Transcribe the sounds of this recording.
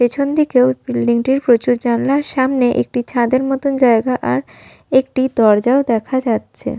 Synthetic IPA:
pet͡ɕʰond̪ikeobilɖiŋʈiɾpɾot͡ɕuɾd͡ʑanlaɾʃamneʔḛk̚ʈit͡ɕʰad̪eɾmɔt̪ond͡ʑaeɡaʔaɾ | ekʈid̪ɔɾd͡ʑaod̪ɛkʰad͡ʑatːɕʰḛ

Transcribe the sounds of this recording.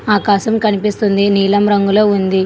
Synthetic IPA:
aːkaːʃɐmkɐnipist̪und̪iniːlɐmɾɐŋɡuloːund̪i

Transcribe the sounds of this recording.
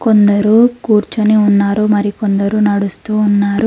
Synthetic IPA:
kond̪ɐɾuːkuːɾt͡ʃɐniunːaːɾumɐɾikond̪ɐɾunɐɽust̪uːnːaːɾu

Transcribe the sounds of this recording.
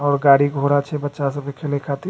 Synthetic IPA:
ɔːɾɡaːɽiɡʱoɾat͡ʃʰɛbətːʃasəbkekʰelekʰat̪i

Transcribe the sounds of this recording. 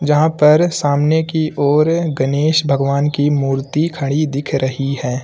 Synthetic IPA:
d͡ʒɐɦãpɐɾsaːmnekiʔɔːɾɡɐneːʃbʱɐɡʋaːnkimuːɾt̪ikʰɐɽ̃id̪ɪkʰɾɐɦiɦɛː

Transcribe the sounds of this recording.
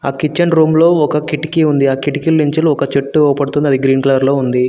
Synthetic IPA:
aːkit͡ʃːɐnɾuːmlo̞ːɔkɐkiʈi̥kiund̪iaːkiʈikilːiɲt͡ʃɐluɔkɐt͡ʃeʈːuɔːpɐɽut̪und̪iɐd̪iɡɾiːnklaːɾlo̞ːund̪i

